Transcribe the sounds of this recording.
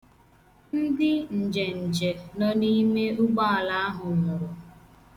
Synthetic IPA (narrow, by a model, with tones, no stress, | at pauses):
n̩˦dɪ˦n̩˨d͡ʒe˨n̩˨d͡ʒe˨nɔ˦ni˦me˦ʊ˦ɡ͡ba˦˨la˦a˦ɦʊ˨mʊ˨ɾʊ˨